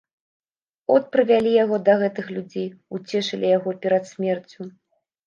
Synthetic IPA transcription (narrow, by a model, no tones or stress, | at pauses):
ɔt̪̚pɾɨvʲalʲijaɣɔd̪ɐɣɛt̪ɨxlʲud͡zʲejut͡sʲɛʂɐlʲʔijaɣɔpʲɛɾɐt̪sʲmʲɛrt͡sʲu